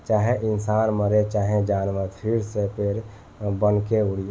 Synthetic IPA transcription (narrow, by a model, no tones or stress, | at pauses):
t͡ʃaːɦeʔɪnsaːnməɾet͡ʃaːɦẽd͡ʒaːnʋəɾpʰiɾsepʰeɾ | bənkeuɽi